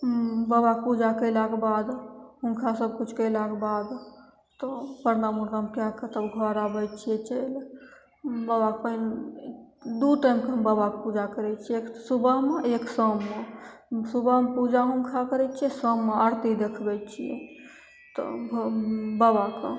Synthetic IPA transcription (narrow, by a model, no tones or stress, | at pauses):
babak̚pud͡ʒakəjlakebad̪ɦunkʰasəb̚kut͡ʃʰkəjlakebad̪ | t̪ɔpəɾnamuɾəɦmkjakət̪əbɡʱɔɾabəj̪t͡ʃʰijɛt͡ʃəjl | babakən | d̪uʈajmkeɦəmbabakpud͡ʒakəɾɛt͡ʃʰieksubʱəɦmeeksəmːesubʱəɦmpud͡ʒaɦunkʰakəɾɛt͡ʃʰiɛsəmːeəɾt̪id̪ekʰbɛt̪̚t͡ʃʰijɛ̰ | t̪ɔ̰bbabakə